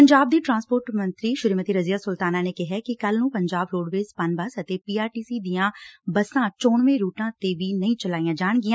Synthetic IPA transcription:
pəɲd͡ʒaːb̚d̪iːʈɾãːnspoːɾʈmə̃nt̪ɾiːʃʊɾiːmət̪iːɾəzɪjaːsʊlt̪aːnaːneːkɪɦɛːkɪkəlnũːpəɲd͡ʒaːbɾoːɽʋeːzpənbəsət̪eːpiːaːɾʈiːsiːd̪ijãːbəsãːt͡ʃoːɳʋẽːɾuːʈãːt̪eːʋiːnəĩːt͡ʃəlaːiːãːd͡ʒaːɳɡɪãː

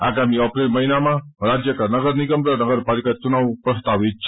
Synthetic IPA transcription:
aɡamiəpɾelməɦinamãɾad͡ʒjəkəɾnəɡəɾniɡəmɾəɾnəɡəɾpalikat͡ʃunaʋpɾəst̪aʋit̪̚t͡ʃʰ

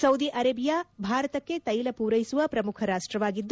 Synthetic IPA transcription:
sɐwd̪iːʔɐɾɐbijaːbʱaːɾɐt̪ɐkːe̞t̪ɐjlɐpuːɾɐjsuʋɐpɾɐmukʰɐɾaːʂʈɾɐʋaːɡid̪ː

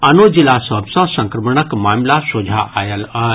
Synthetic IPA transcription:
ɐnoːd͡ʑilasɐbsɔ̃sɐ̃ŋkɾəməɳ̃əkmaːmlasoːd͡ʒʱaʔaːjəlɐ

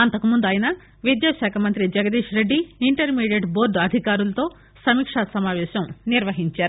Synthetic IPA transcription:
ɐnt̪ɐkumund̪uɐːjinɐ | ʋid̪jaːʃaːkʰɐmɐnt̪ɾid͡ʒɐɡɐd̪iːʂɾeɖːiːɳʈɐɾmiːɖjeʈboːɾɖɐd̪ʱikaːɾulɐt̪o̞ː | sɐmiːkʂaːsɐmaːʋɛːʃɐmniɾʋɐɦiɲt͡ʃaːɾu

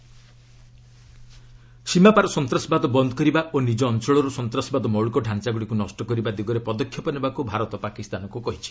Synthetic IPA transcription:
simapaɾɔsɔnt̪ɾɔsbad̪ɔbɔnd̪ʱɔkɔɾibaʔonid͡ʒɔːnt͡ʃɔɭɔɾusɔnt̪ɾɔsbad̪ɔmɔɭkɔɖʱant͡ʃaɡuɽikunɔsʈɔkɔɾibad̪iɡɔɾepɔd̪ɔkʰːjɔpɔnebakubʱaɾɔt̪ɔpakist̪anɔkukɔɦit͡ʃʰi̥

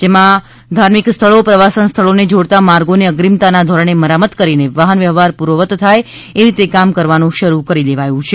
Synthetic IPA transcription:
d͡ʒemã | d̪ʱaɾmikst̪ʰəɭopɾəʋasənst̪ʰəɭoned͡ʒoɽt̪amaɾɡoneəɡɾimt̪anad̪ʱɔɾəɳ̃eməɾamət̪kəɾineʋaɦənʋjəʋaɾpuɾʋəʋət̪ːʰaj | eɾit̪ekamkəɾʋanũʃəɾukəɾileʋajũt͡ʃʰe

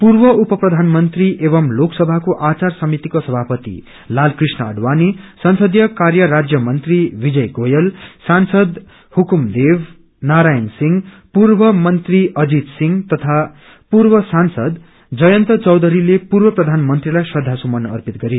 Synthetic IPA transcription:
purbʌupʌprʌd̪ʱanmʌnt̪riʔeβʌmloksʌbʱakoʔat͡sarsʌmit̪ikosʌbʱapʌt̪ḭ | lalkrisnʌʌɖwanisʌnsʌd̪jʌkarjʌɾad͡zjʌmʌnt̪ribid͡zʌjɡojʌlsansʌd̪ | hukumd̪ebʱ | naɾajʌnsiŋ | purbʌmʌnt̪riʌd͡zid̪siŋɡt̪ʌt̪ʰa | purbʌsansʌd̪ | d͡zʌjʌnt̪ʌt͡sʌwd̪ʌɾilepurbʌprʌd̪ʱanmʌnt̪rilajsʌd̪ʱːasumʌnʌrpit̪ɡʌɾi

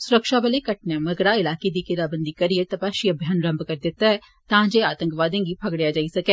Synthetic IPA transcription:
sʊɾəkʃabəlekɐʈ̚namɐɡɾaːɪlaːked̪ikɪɾaːbənd̪ikɐɾiet̪ɐpaːʃiɐbʱjaːnɾə̃mbkɐɾd̪ɪt̪ːaɦɛ | t̪ãːd͡ʒeaːt̪ə̃ŋkʋaːd̪ẽːɡipʰɐɡɽejaːd͡ʒaːisɐkɛː

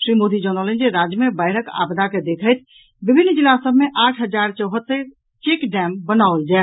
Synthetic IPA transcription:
sɾimod̪id͡ʒənələnd͡ʒeɾad͡ʒjəmebaɪɾəka̰bd̪ʱaked̪ekʰəjt̪ʰ | bibʱinːd͡ʒilasəbʱmeʔaʈʰɦəd͡ʒaɾt͡ʃəwɦət̪ːə | t͡ʃekɖɛmbənaold͡ʒa

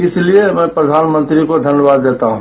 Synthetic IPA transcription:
ɪsliemɛ̃pɾəd̪ʱaːnmə̃nt̪ɾikod̪ʱənjəʋaːd̪ːeːt̪aɦũ

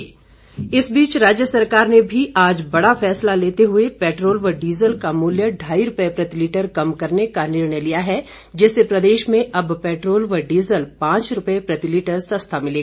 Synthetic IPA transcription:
ɪsbiːt͡ʃɾaːd͡ʒjəsɐɾkaːɾnebʱiʔaːd͡ʒbɐɽafɛːslaleːt̪eɦʊepɛːʈɾoːlʋəɖiːzəlkamuːljəɖʱaːiɾʊpəepɾɐt̪ɪliːʈəɾkɐmkɐɾnekanɪɾɳəjlijaɦɛ | d͡ʒɛːsepɾɐd̪eːʃmẽʔɐbpɛːʈɾoːlʋəɖiːzəlpãːt͡ʃɾʊpəepɾɐt̪ɪliːʈəɾsɐ̃st̪ʰamɪleːa

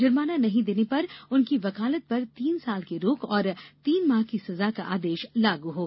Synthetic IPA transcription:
d͡ʒɐɾmaːnanɐɦĩd̪eːnepɐɾʊnkiʋɐkaːlət̪̚pɐɾt̪iːnsaːlkeɾoːkɔːɾt̪iːnmaːɦkisɐzakaʔa̰ːd̪eːʃlaːɡuɦoː

